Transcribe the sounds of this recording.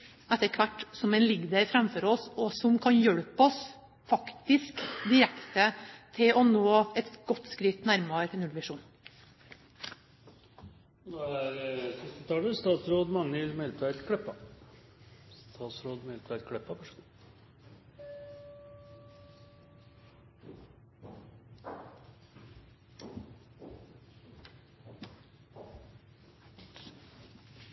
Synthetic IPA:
ɛt̪ːəɾkʰʋæʈːsɔmɛɪnlɪɡd̪əɾfɾɛmfɔɾɔsɔsɔmkʰɑnjœɽpɔs | fɑkt̪ɪskd̪ɪɾɛkt̪ət̪ʰɪlɔnoːɛt̪ɡɔt̪ːskɾɪt̪næɾmɑɾnʉlʋɪʂuːn | d̪ɛæɾsɪst̪ɪt̪ʰɑːləst̪ɑːt̪sɾoːd̪mɑŋːəlmɛlpʰæɾkʰɽɛpːɑ | st̪ʰɑːt̪sɾoːd̪mɛlt̪ʰʋæɾkʰɽɛpːɑpœʂd̪

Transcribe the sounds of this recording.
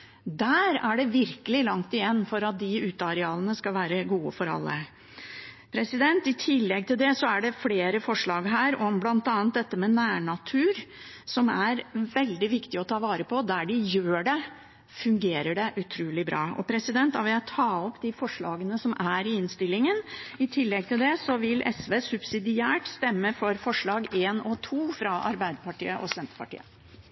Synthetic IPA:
d̪æɾæɖɛʋɪɾkəlɪlɑŋt̪ɪjɛnːfɔɾɑt̪̚d̪ɪʉːt̪ɑɾɛɑːlənəskɑlʋæːɾəɡuːəfɔɾɑ̰lːə̰ | pʰɾɛsɪd̪ɛnt̪ɪt̪ʰɪlːɛɡ̚t̪ʰɪld̪ɛsɔæɖɛfleːɾəfɔʂɭɑːɡɦæːɾɔmblɑnt̪ɑːnt̪̚d̪ɛt̪ːəmɛnæːɳɑt̪ʰʉːɾ | sɔmæɾʋɛld̪ɪʋɪkt̪ɪɔt̪ʰɑːʋɑːɾəpʰɔd̪æɖɪjøːɖɛ | fʉŋɡeːɾəɖɛʔʉt̪ʰɾuːlɪbɾɑːɔ̰pʰɾɛsɪd̪ɛnt̪ɑʋɪæt̪ʰɑːɔpd̪ɪfɔʂɭɑːɡənəsɔmʔæɾɪɪnst̪ɪlːɪŋənɪt̪ʰɪlːɛɡ̚t̪ɪld̪ɛsɔʋɪlʔɛ̰sʋeːsʉbsɪd̪ɪæːʈst̪ɛmːəfɔɾfɔʂɭɑːɡeːnɔt̪ʰuːfɾɑʔɑ̰ɾbæɪd̪əpɑʈḭːəʔɔsɛnt̪ə̥pɑ̰ʈḭːə̰

